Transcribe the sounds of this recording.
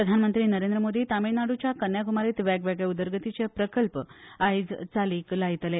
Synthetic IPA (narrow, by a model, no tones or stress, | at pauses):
pɾəd̪ʱanmənt̪ɾiːnəɾend̪ɾəmod̪ʱiːt̪aminaɽut͡ɕjakənjakumaɾiːt̪ʋæɡʋaɡɭeud̪əɾɡət̪it͡sepɾəkəlpəajd͡zt͡saliːklaɦit̪le